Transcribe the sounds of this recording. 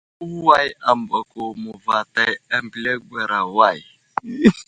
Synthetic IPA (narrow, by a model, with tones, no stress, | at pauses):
u˦wa˦ja˨m˨bɔ˨ko˨mu˨va˨ta˦ja˦m˨blɛ˦ɡ͡bɛ˨ɾa˨wa˦˨j